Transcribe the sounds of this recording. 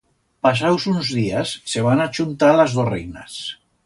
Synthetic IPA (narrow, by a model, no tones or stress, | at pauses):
pasawsunzðiasːeβ̞anat͡ʃunt̪alazðorejna̰s